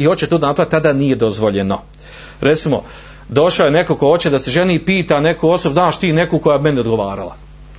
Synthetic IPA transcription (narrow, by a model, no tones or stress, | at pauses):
io̞t͡ɕet̪uːd̪napɾavjt̪ad̪aːnije̞d̪o̞zʋo̞ʎeno̞ | ɾe̞t̪simo̞̰ | d̪o̞ʃojene̞ko̞ko̞o̞t͡ɕed̪ase̞ʒeniːpiːt̪ane̞koo̞sobuznaːʃt̪iːne̞kuːko̞jaːbime̞nio̞d̪ɡoʋaːɾa̰la̰